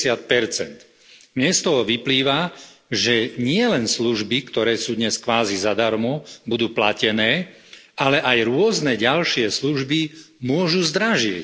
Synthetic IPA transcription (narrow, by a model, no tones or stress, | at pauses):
sɪat̪̚pɛɾt͡sɛ̰nt̪ | mɲɛst̪ɔɦɔʋipliːʋaʒɛɲɪɛlɛnsluʒbikt̪ɔɾɛːsuːd̪ɲɛskʋaːzizad̪aɾmɔbud̪uːplacɛnɛː | alɛʔajɾʊɔznɛɟalʃɪɛsluʒbi | mʊɔʒuzd̪ɾaʒɪɛc